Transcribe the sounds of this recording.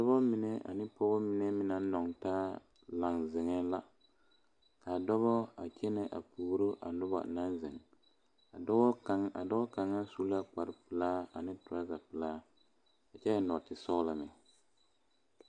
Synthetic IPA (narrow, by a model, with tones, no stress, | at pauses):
dɔ˦bɔ˦mi˨ne˦a̰˨nɪ˦pɔ˦bɔ˦mi˦ne˦mɪ˦na˨nː˦ɔ˨ŋtaː˦ | la˨ŋzɪ˨ŋɛ˦la˦ | ka˨dɔ˦βɔ˦a̰˨t͡ʃɛ˦nɛ˨ʔa̰˨puː˨ɾo˦ʔa̰˨nʊ˦ba̰˨na˦nzɪ̰˨ŋ | a˨dɔ˦ɔ˦ka˨ŋa̰˨dɔ˦bɔ˦ka˨ŋa˦su˦la˦k͡pa˨ɾɪ˦pɨ˨laː˦a̰˨nɪ˦tʊ˨ɾa˦za˨pɨ˨laː˦ | a˨t͡ʃɛ˦a˨nɔ˨tɪ˨sɔ˦la˨mɪ˨